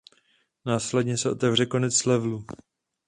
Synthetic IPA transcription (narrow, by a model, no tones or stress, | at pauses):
naːslɛdɲɛsɛʔo̞t̪ɛvr̝ɛko̞nɛt͡slɛvlu